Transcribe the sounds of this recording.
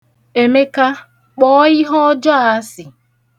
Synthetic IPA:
e˨me˦ka˦ | k͡pɔ˦ɪ˦ɦɔ˦d͡ʒɔ˦a˨˦sɪ˨

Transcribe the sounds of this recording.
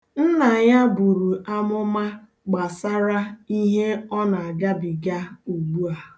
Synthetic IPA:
n̩˦na˨ɲa˦bu˨ɾu˨a˦mʊ˦ma˦ | ɡ͡ba˨sa˦ɾa˦i˦ɦe˦ɔ˦na˨a˨ɡa˦bi˨ɡa˦u˨ɡ͡bu˦a˨

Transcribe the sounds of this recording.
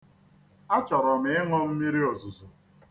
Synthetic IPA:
a˦t͡ʃɔ˨ɾɔ˨m̩ɪ˨˦ɪ˦ŋʷɔ˦m̩˦mi˦ɾi˦o˨zʊ˨zʊ˨

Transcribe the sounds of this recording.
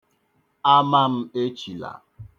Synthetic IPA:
a˦ma˦m̩˦e˦t͡ʃi˨la̰˨

